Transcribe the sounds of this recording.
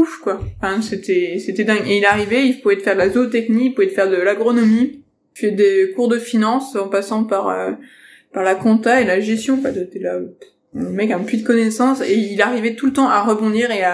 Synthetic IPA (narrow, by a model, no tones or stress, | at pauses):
ufkwãfɛ̃set̪ʰɛset̪ɛd̪ɛ̃ɡeilaʁivɛilpuvɛt̪fɛʁd̪əlazot̪ɛknikilpuvɛt̪fɛʁd̪əlaɡʁɔnɔmi | fɛd̪ekuʁd̪əfinɑ̃sɑ̃pasɑ̃paʁø̰ | paʁlakɔ̃t̪aelaʒɛst̪jɔ̃kwad̪t̪ɛla | ɛ̃lemɛkɛ̃pɥit̪kɔnɛsɑ̃seilaʁivɛt̪ulət̪ɑ̃ʔaʁəbɔ̃d̪iʁea